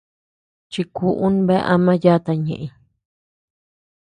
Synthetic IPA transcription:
t͡ʃi˧ku˧ʔu˦n˦βe˦ʔa̰˧mã˦ja˦˧t̪a˧ɲḛ̃˨ʔẽ˧

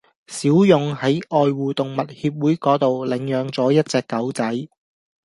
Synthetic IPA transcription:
siː˨˥wjʊ˨ŋhɐ˨˥jʔɔː˨˧jwuː˨˧t̪ʊ˨˩ŋmɐ˨t̚hiː˧p̬̚wuː˨˥jkɔː˨˥t̪o˨wlɪ˨˩ŋjœː˨˧ŋt͡sɔː˨˥jɐ˥t̚t͡sɛː˧kːɐ˨˥wt͡sɐ˨˥j

